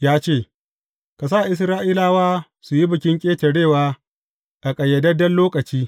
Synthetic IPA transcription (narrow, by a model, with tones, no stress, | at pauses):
jaː˦t͡ʃeː˦˨ | ka˨s̬a˦˨ʔɪ˦s̬ɾaː˦ʔiː˦laː˦waː˦ | su˨ji˦bʊ˨kʲɪ˦ŋkʲʼeː˦tɐ˨ɽeː˦˨waː˦ | ʔa˨kʼɐ˨jːɐ˨dɐ˦dɐ˦nloː˦kʼɐ˨t͡ʃiː˦